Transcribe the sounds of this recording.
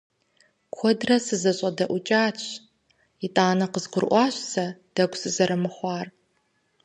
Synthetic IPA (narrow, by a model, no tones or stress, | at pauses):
kʷʰɔdrɐsɨzɐɕʼɐdɐʔʷʊt͡ʃʼaːt͡ʃʰʼ | ɪtʼaːnɐqəzqʷʊrʔʷɑːɕʼsɐd̥ɐɡʷsɨzɐɾɐmɨχʷɑːr